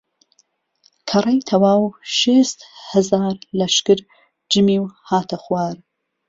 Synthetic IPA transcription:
kʰɐrˤɐjt̪ʰɐwaːwʃeːst̪hɨzaːɾlɐʃkɨɾ | d͡ʒɨmiːwhaːt̪ʰɐxwaːɾ

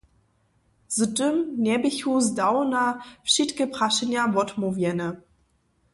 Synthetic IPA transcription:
z̥ətəmnɛbiçuzdawnafʃitkəpʁaʃənjavɔtmuvjɛnə

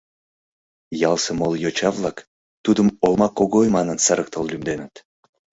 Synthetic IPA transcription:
jɑlˠsemoljot͡ɕɑvlˠɑk | t̪ud̪əmolˠmɑkoɣojmɑnənsɑɾək̚t̪əllymd̪enət̪

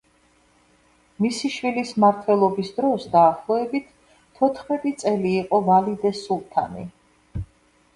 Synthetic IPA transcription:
misiʃwilismaɾt̪ʰwɛlˠɔbisd̪ɾɔsd̪aːχlˠɔɛbit̪ʰ | t̪ʰːɔt̪ʰχmɛt̪ʼit̪sʼɛliːqʼɔvalid̪ɛsulˠt̪ʰa̰nḭ

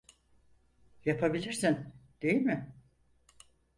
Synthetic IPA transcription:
japʰabilʲiɾsind̪̥e̞jilʲmɪ

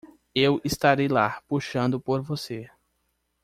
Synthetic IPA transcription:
ewɪst̪aɾejlapuʃɐ̃nd̪ʊpoɾvose

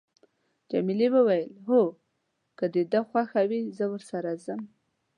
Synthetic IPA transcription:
d͡ʒamilewəwajəlɦo | kəd̪əd̪əxwaxawizəwəɾsaɾazəm

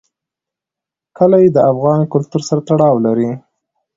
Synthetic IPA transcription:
kəlajed̪əafɣɑnkʊlt̪uɾsaɾat̪aɽɑwlaɾi

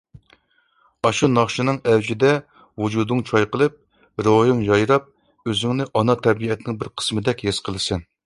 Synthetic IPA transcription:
ɑʃunɑχʃɨnɨŋɛwd͡ʒid̪ɛ | wud͡ʒud̪ɨŋt͡ʃʰɑjqəlˠɨp̚ | ɾojɨŋjɑjɾɑp̚ | øzɪŋnɪʔɑnɑt̪ʰɛɾbiɛt̪ʰɪnɪŋbɪɾqʰə̥smɨd̪ɛkʲɦesqʰəlˠɨsɨn

